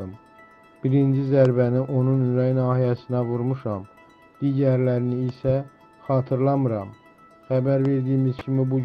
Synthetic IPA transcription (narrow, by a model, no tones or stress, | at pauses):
ɯm | b̥iɾind͡ʒizæɾbæniʔo̞nunynɾæjnɑːhijæsinævuɾmuʃɑm | d̪̥iːɟæɾlæɾiniːsæ | xɑːt̪ʰɯɾlˠɑmɯɾɑm | xæbæɾve̞ɾd̪ijːmiz̥cʰimibu